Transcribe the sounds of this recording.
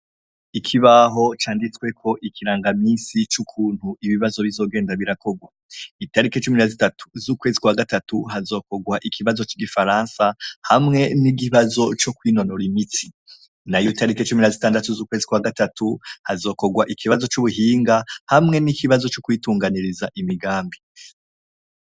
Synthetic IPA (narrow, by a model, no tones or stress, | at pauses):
ikʰiβaɦo̞t͡ʃaːndit͡swe̞kʰo̞ʔikʰiɾaːŋɡamiːsit͡ʃukʰuːn̥huiβiβazo̞βizo̞ːɡe̞ːndaβiɾako̞ɡwa | itaɾiket͡ʃuminazitatu̥zuːkwe̞ːzikwaɡatatuɦazo̞ːko̞ɡwaʔikʰiβazo̞t͡ʃiɡifaɾaːnsahamŋe̞niɡiβazo̞t͡ʃokwiːno̞noɾimiti̥ | najuitaɾiket͡ʃuminazitaːndatuzuːkwezikwaɡatatuhazo̞ːko̞ɡwaʔikʰiβazo̞t͡ʃuβuɦiːŋɡahamŋe̞nikiβazo̞t͡ʃokwiːtuːŋɡaniɾizaʔimiɡaːmbi